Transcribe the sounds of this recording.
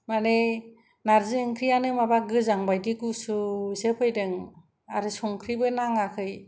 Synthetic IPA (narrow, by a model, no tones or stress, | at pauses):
mane | naɾziŋkʰɾijanɯmabaɡɯzaŋbajdiɡusɯsepʰɯjdɯŋ | aɾɯsɔŋkʰɾibɯnaŋakʰɯj